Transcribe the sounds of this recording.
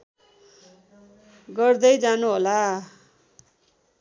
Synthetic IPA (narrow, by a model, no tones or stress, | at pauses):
ɡʌrd̪ʌjd͡zanuɦola